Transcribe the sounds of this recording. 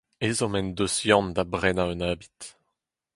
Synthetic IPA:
ezɔ̃mɛnd̪osjɑ̃nd̪abʁɛnaønaːbi̥t̪

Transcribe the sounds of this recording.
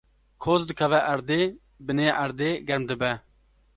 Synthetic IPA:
kʰoːzd̪ɨkʰɐvɛʔɐɾd̪eː | bɨneːʔɐɾd̪eːɡɐɾmd̪ɨbɛ

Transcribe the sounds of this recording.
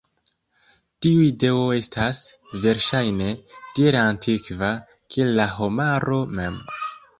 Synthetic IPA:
tiuide̞o̞e̞stʰas | ve̞ɾʃajne̞tieɾantʰikva | kiellːaɦo̞maɾo̞me̞̰m

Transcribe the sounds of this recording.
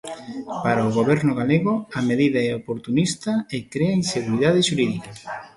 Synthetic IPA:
paɾaʊɣoβɛɾnʊɣaleɣʊɐmeðiðɐɛopoɾt̪unist̪ɐekɾeɐinseɣuɾiðaðɪʃuɾiðikɐ

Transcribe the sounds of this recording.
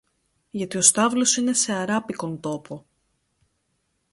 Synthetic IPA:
ʝɐt̪io̞st̪ɐvlo̞sine̞se̞ɐɾɐpiko̞nt̪o̞po̞

